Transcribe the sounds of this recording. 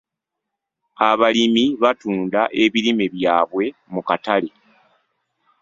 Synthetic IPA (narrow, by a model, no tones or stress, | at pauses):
aβalimiβatuːndaʔe̞βiɾimeβjaːβwe̞mukatale̞